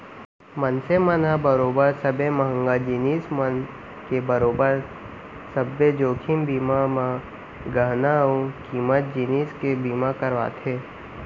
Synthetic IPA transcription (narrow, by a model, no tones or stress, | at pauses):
mənsemənabəɾoːbəɾsɐbemɐɦə̃ŋɡad͡ʒiniːsmən | kebəɾoːbəɾ | səbːed͡ʒoːkʰimbiːmamã | ɡəɦnaũkiːmət̪̚d͡ʒiniːskebiːmakəɾʋa̰ːt̪ʰeː